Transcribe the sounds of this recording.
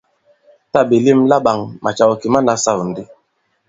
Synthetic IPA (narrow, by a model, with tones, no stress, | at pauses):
ta˦˨be˨li˦˨mla˦ba˨ŋma˨t͡ʃa˨wɔ˨ki˨ma˦na˨˦sa˦˨wn̩˨di˦